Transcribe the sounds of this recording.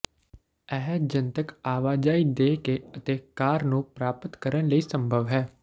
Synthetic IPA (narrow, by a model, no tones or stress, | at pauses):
ɛɦd͡ʒənt̪əkaːʋaːd͡ʒaːiːd̪eːkeːət̪eːkaːɾnũːpɾaːpət̪kəɾənləiːsəmbʱəʋɦɛː